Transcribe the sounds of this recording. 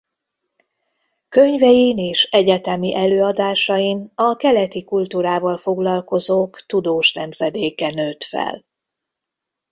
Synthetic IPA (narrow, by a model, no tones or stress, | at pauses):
kø̞ɲvɛjineːʃɛɟɛt̪ɛmiʔɛløːɒd̪aːʃɒjinɒkɛlɛt̪ikult̪uːɾaːvɒlfo̞ɡlɒlko̞zoːkt̪ud̪oːʃnɛmzɛd̪eːkɛnøːt̪fɛ̰l